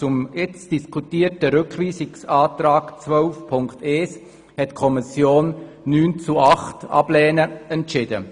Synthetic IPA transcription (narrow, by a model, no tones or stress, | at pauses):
t͡sʊmɪt͡sd̥iskʰutiːətəɾʏkʰʋiːsɪksaːtɾaːɡt͡svœlfpʰʊŋktɛːs | hɛtkʰɔmisjoːnː | yːnt͡suɑχtɑ̰b̥lɛːnəɛntt͡ʃɪd̥ə̰